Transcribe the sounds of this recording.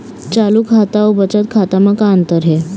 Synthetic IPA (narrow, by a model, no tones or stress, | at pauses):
t͡ɕaluːkʰat̪aobət͡ɕət̪̚kʰat̪amakaənt̪əɾɦe